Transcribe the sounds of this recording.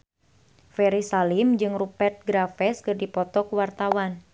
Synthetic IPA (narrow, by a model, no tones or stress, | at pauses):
fɛɾisalimd͡ʒɨŋrupɛrt̪̚ɡɾafɛskɨrdipɔt̪ɔkuwart̪awan